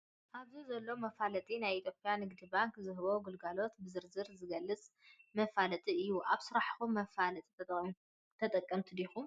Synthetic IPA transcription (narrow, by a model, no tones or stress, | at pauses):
ʔaβzizɐlːo̞mɐfalɐt̪ʼinajit̪ʰjo̞pʼjanɨɡd̪ibaŋkzɨɦβo̞ɡɨlɡalo̞t̪bɨzɨɾzɨɾzɨɡɐlːɨt͡sʼmɐfalɐt̪ʼiɨjːuʔaβsɨɾaħxumːɐfalɐt̪ʼi̥t̪ʰɐ | t̪ʰɐt̪ʼɐkʼːɐmt̪ʰɨd̪ixu